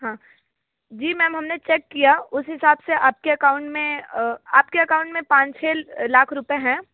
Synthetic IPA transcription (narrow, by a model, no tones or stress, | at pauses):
ɦãː | d͡ʒiːmɛ̃ːmɦɐmnet͡ʃɛːkːijaʊsɦɪsaːbseʔaːp̚keɐkaːʊ̃ɳʈmẽaːp̚keɐkaːʊ̃ɳʈmẽpãːt͡ʃt͡ʃʰeːlaːkʰɾʊpeɦɛ̃ː